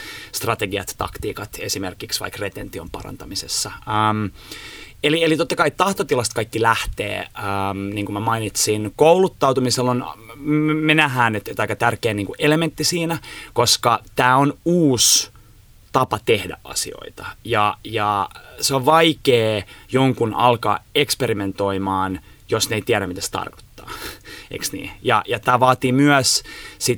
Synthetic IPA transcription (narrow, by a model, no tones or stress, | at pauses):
st̪rɑt̪eɡiɑ̰t̪t̪ɑ̰kt̪iːkɑt̪esimerkiksʋɑ̰ikret̪ent̪ːiompɑ̰rɑ̰nt̪ɑmisesːɑəːm | elielit̪ot̪ːɑkɑit̪ɑht̪ot̪ilɑst̪̚kɑikːilæht̪ḛːəːmniːŋkumæmɑinit̪sinkoulut̪ːɑwt̪umiselːon | menæɦæːnet̪t̪ɑikːɑt̪ærkeːniːŋkuʔelement̪ːisiːnækoskɑt̪æːonuːs | t̪ɑpɑt̪ehdæ̰ʔʔɑ̰sḭo̰it̪ɑ̥jɑjɑseoʋʋɑikeːjoŋkunʔɑ̰lkɑ̰ːekspeɾiment̪oimɑːn | josneit̪iæɾæmmit̪æse̥t̪ɑ̰rko̥t̪ːɑ̰ːḛksnḭːjɑ̰jɑt̪æːʋɑːt̪iːmyœssit̪